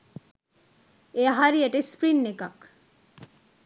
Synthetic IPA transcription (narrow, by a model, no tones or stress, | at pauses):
eaɦaɾieʈispɾinːekak